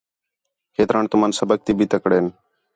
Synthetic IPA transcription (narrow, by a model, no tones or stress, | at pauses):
kʰeːt̪ɾaːɳt̪ʊmaːnsəbək̚t̪iːbʱiːt̪əkɽeːn